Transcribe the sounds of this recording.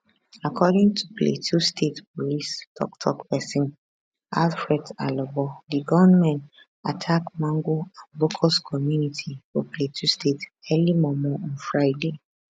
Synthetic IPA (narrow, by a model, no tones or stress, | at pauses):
akʰɔdĩŋtʰuplḛtʰustʰetpɔlistʰɔ̰ktʰɔ̰kpɛsĩn | alfɹɛtalɔbɔdiɡɔvɛnmɛ̃n | atʰakmãŋɡoãnbokʰɔskʰɔmjunitʰifopletʰustʰetɛlimɔmɔɔ̃nfɹaɪde